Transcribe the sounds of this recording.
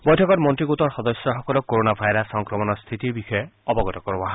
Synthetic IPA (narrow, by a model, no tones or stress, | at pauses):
bɔjtʰɔkɔtmɔntɾiɡot̪ɔɹxɔd̪ɔsjɔxɔkɔlɔkoɾonabʱajɾasɔŋkɾɔmɔnɔst̪ʰit̪iɹbixɔeɔbɔɡɔt̪ɔkɔɾbɔɦa